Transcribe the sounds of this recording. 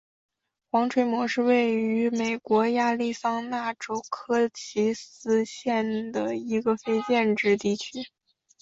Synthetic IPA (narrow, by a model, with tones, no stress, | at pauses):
xwɑ˧˥ŋʈ͡ʂʰwe˧˥ɪmwɔ˧˥ʂɻ̩˥˧we˥˩ɪy˧˥me˨˩ɪkwɔ˧˥ja˥˧li˥˩sɑ˥ŋna˥˩ʈ͡ʂo˥ʊkʰɤ˥t͡ɕʰi˧˥sɹ̩˥ɕjɛ˥˩nd̪ə˩i˧˥ɡə˧fe˥ɪt͡ɕjɛ˥˧nʈ͡ʂɻ̩˥˧t̪i˥˩t͡ɕʰy˥